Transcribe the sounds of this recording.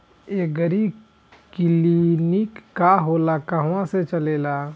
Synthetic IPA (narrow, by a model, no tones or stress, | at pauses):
eɡəɾi | kɪlinikːaɦoːlakaɦãset͡ʃəleːlaː